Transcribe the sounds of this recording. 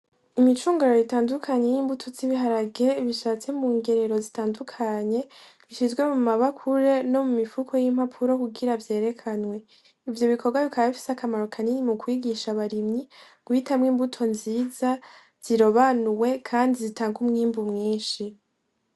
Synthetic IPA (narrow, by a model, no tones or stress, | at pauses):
imit͡ʃuːŋɡaɾo̞jitaːndukʰaɲe̞jiːmbutʰo̞t͡siβiɦaɾaɡeβiʃat͡se̞muːŋɡe̞ɾeɾo̞zitaːndukʰaɲe̞ | βiʃizɡwe̞mumaβakʰuɾe̞no̞mumifukʰo̞jimhapʰuɾo̞kuɡiɾavje̞ːɾe̞kʰanwe̞ | ivjo̞βikʰo̞ɡwaβikaβaβifi̥sakamaɾo̞kʰaninimukwiːɡiʃaβaɾimɲi | ɡ̥witamŋiːmbutʰo̞nziːza | z̥iɾo̞βanuwe̞kʰaːndizitaːŋɡumŋiːmbumŋiːnʃi